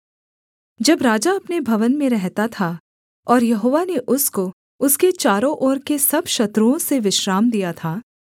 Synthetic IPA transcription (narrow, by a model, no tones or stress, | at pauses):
d͡ʒɐbɾaːd͡ʒaɐpnebʱɐʋənmẽɾɛɦt̪at̪ʰa | ɔːɾjɐɦoːʋaneʔʊsko | ʊsket͡ʃaːɾõʔɔːɾkesɐbʃɐt̪ɾuõseʋɪʃɾaːmd̪ijat̪ʰaː